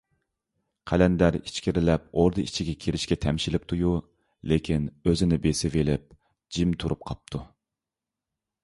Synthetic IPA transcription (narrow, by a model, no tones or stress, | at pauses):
qʰælɛnd̪æɾit͡ʃkʲiɾɪlɛp̚oɾd̪ɨit͡ʃʰiɡʲɛkʲʰeɾɪʃkʲɛt̪ʰɛmʃilɪp̚t̪ʰuju | lekʲʰinøzɪnɪbesɪvelɪp̚ | d͡ʒimt̪ʰuɾup̚qʰɑp̚t̪ʰu